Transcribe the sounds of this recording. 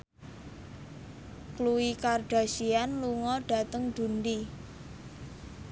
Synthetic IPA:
kluwikarɖ̥a̤ʃianluŋɔɖ̥ä̤t̪əŋd̪̥ṳnd̪i

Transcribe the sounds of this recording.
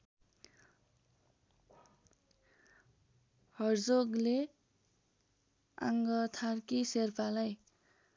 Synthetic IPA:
hʌrd͡zoɡle | a̰ŋɡʌt̪ʰarkiserpalaj

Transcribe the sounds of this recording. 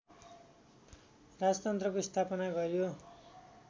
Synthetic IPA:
rad͡zʌt̪ʌnt̪rʌkoist̪ʰapʌnaɡʌɾjo

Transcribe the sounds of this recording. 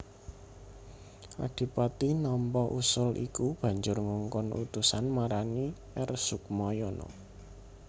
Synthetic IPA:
ʔa̰ɖ̥i̤pat̪inɔmpɔʔusʊlʔḭkub̥ä̤ɲd͡ʒʊrŋuŋkʊnʔṵt̪usanmaɾaniʔɛrsʊkmɔjɔnɔ̰

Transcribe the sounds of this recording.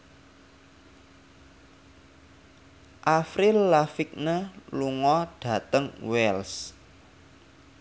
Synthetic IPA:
ʔafɾilːafik̚nəluŋɔɖ̥ä̤t̪əŋwɛls

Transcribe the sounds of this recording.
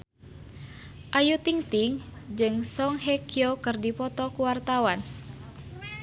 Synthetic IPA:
ʔajut̪iŋt̪iŋd͡ʒɨŋsɔŋɦɛkiokɨrdipɔt̪ɔkuwart̪awan

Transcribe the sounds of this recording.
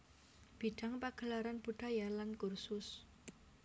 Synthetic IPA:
b̥iɖ̥a̤ŋpaɡ̥ə̤laɾanb̥uɖ̥a̤jalankʊrsʊs

